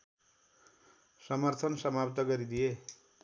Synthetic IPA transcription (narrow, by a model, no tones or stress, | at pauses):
sʌmʌrt̪ʰʌnsʌmapt̪ʌɡʌɾid̪ije